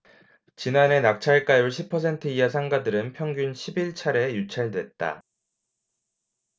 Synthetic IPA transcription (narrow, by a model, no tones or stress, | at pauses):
t͡ɕinane̞nak̚t͡ɕʰaɭk͈ajuɭɕʰipʰʌs̬ʰe̞ntʰɯiasʰaŋɡadɯɾɯnpʰjʌŋɡunɕʰibiɭt͡ɕʰaɾe̞jut͡ɕʰaɭdwe̞t̚t͈a̰